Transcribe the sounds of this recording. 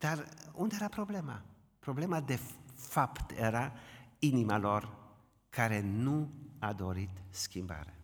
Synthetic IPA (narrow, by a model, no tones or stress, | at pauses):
d̪̥aɾʊnd̪ɛɾapʰɾɔbleːma̰ | pʰɾɔbleːmad̪ɛfapt̪eɾainimalɔɾ | kʰaɾenuad̪oɾit̪skimba̰ɾə